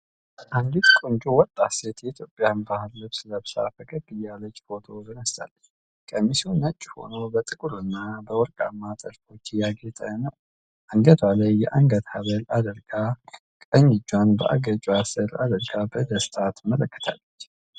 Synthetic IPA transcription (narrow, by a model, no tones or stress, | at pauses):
ʔand̪it̪kʼond͡ʒʼuwɔt̪ʼːaset̪jɛit̪ʰjo̞pʼːjanbahɨlːɨβsləβsa̰fəkʰʼəbɨjːalət͡ʃʼːbot̪ʰod̪ənəst̪a̰lːə | kʼəmːisiunːət͡ʃʼːho̞̰nobət̪ʼɨkʼuɾɨnːabəwɔɾkʼa̰mːat̪ʼəɾfo̞t͡ʃːjaɡet̪ʼənəw | ʔaŋɡət̪ʰalajːɛʔaŋɡət̪haβəlad̪əɾɡa | kʼəɲːɪd͡ʒːwanbə̰ʔa̰ɡət͡ʃʼuasəɾa̰d̪əɾɡabəd̪əst̪ʰʼat̪mələkːə̥t̪ʰa̰lːət͡ʃː